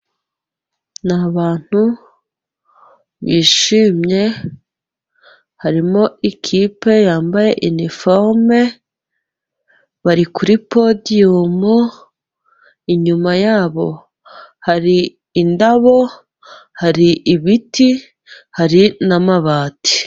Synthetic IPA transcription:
naβaːn̥hu | βiːʃiːmɲe̞ | haɾimo̞ikʰiːpe̞jaːmbaje̞ʔinifoɾme̞ | βaɾikuɾipo̞diumu | iɲumajaːβo̞̰ | haɾiː | ndaβo̞ | haɾiʔːβiti | haɾinamaβaːti̥

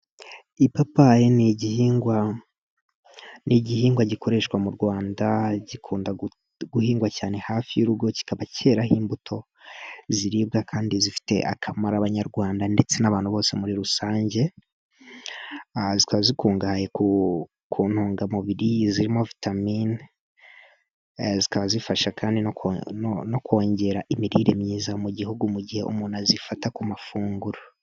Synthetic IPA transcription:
ipapajeniɟihiːŋɡwa | nʔiɟihiːŋɡwaɟiko̞ɾe̞ʃkwamuɾɡwaːndaɟikʰuːnda | ɡuhiːŋɡwacaːne̞haːfijuɾuɡo̞ci̥kaβacʰe̞ːɾahiːmbutʰo̞ | ziɾib̚ɡakʰaːndizifi̥te̞̰ʔa̰kʰamaɾaβaɲaɾɡwaːndande̞t͡se̞naβaːnhuβo̞ːse̞muɾiɾusaːɲɟe̞ | zikaβazikuːŋɡahaje̞ku | kʰuːn̥huːŋɡamuβiɾiziɾimo̞vitamin | zikaβazifaʃakʰaːndinokono̞kwoːɲɟe̞ɾaʔimiɾiːɾemɲiːzamuɟihuɡumuɟihe̞̰ʔṵmuːnazifatakumafuːŋɡuɾo

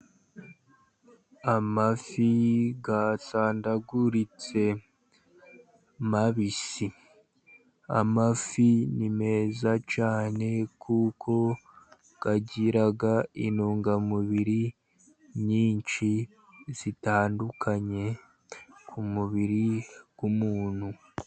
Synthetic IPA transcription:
amafiɡasaːndaɡuɾit͡se̞ | maβisi | a̰mafinime̞ːzat͡ʃaːne̞kʰukʰo̞ | ɡ̥aɟiɾaɡainuːŋɡamuβiɾi | ɲiːɲʃi | z̥itaːndukʰaɲe̞ | kʰumuβiɾiɡ̥umuːn̥hu

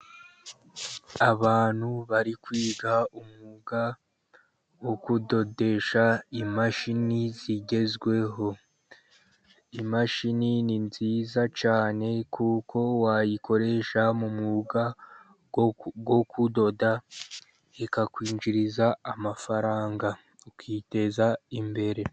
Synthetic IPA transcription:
aβaːn̥huβaɾikwiːɡaumŋuɡa | wo̞kudo̞de̞ʃaimaʃiniziɟe̞zɡwe̞ɦo̞ | imaʃinininziːzat͡ʃaːne̞kukʰo̞wajikʰo̞ɾe̞ʃamumuɡa | ɡwo̞kʰudo̞da | ekakwiːɲd͡ʒiɾizaːmafaɾaːŋɡa | ukiːte̞zaimbe̞ɾe̞

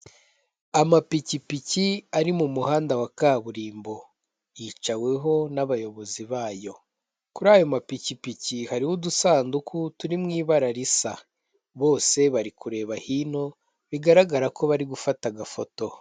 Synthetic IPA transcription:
amapicipiciaɾimumuhaːndawakaːβuɾiːmbo̞ | jiːt͡ʃawe̞ɦo̞naβajo̞βo̞ziβaːjo̞ | kuɾaːjo̞mapicipicihaɾihudusaːndukutuɾimŋiːβaɾaɾisa | βo̞ːse̞βaɾikuɾe̞ːβahino̞ | βiɡaɾaɡaɾako̞βaɾiɡufataɡafo̞to̞

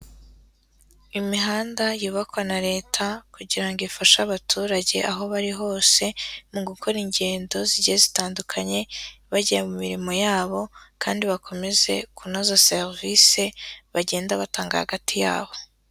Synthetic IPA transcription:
imiɦaːndajuβakwanaɾe̞ːtʰakuɟiɾaŋɡifaʃaβatʰuːɾaɟe̞ʔaɦo̞βaɾiɦo̞ːse̞muŋɡuŋkʰoɾiɲɟe̞ːndo̞ziɾɟiezitaːndukʰaɲe̞βaɟijemumiɾimo̞jaːβo̞kʰaːndiβakʰo̞me̞ze̞kunozaseʁvise̞βaɟe̞ːndaβataːŋɡa̰ha̰ɡatʰija̰ːβo̞

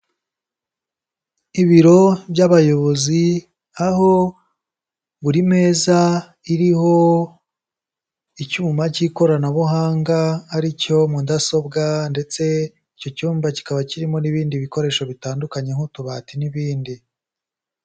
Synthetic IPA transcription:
iβiɾo̞bɟaβajo̞βo̞zi | aho̞ | βuɾime̞ːza | iɾiho̞ | icuːmaciko̞ɾanaβuɦaːŋɡaːɾico̞mudaso̞bɡande̞t͡se̞ | ico̞cuːmbaci̥kaβaciɾimo̞niβiːndiβiko̞ɾe̞ːʃo̞βitaːndukaɲe̞ŋ̥hutuβatiniβiːndi

